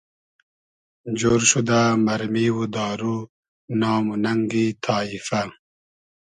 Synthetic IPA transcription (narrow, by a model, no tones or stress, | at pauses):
d͡ʑoːɾʃud̪amɐɾmiwud̪ɑːɾu | nɑːmunɐŋɡit̪ʰɑːifa